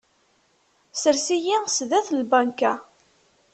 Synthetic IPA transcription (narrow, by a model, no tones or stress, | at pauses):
səɾsijisðæθlbænkæ